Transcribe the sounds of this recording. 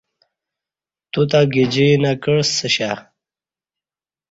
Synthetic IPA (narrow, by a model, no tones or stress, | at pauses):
t̪ut̪aɡid͡ʑinakəɽsəɕa